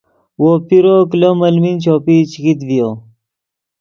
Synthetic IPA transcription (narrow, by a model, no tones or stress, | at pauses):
wopiɾoklomɐlmint͡ɕoːpit͡ɕikit̪vijo